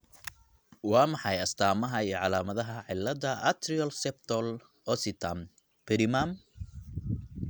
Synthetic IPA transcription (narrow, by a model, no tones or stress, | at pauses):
wɑːmɑħɑjɐst̪ʰaːmɐɦɐiːɔʕɑlaːmɐðɐɦɐʕɪlːɐðɐʔɐt̪ʰɾiɔlsɛp̚t̪ʰɔl | ɔsɪt̪ʰam | b̥ɪɾɪmam